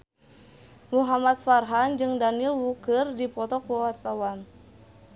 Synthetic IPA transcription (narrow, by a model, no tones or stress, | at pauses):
muɦamat̪̚farɦand͡ʒɨŋdanilwukərdipɔt̪ɔkuawat̪̚sawan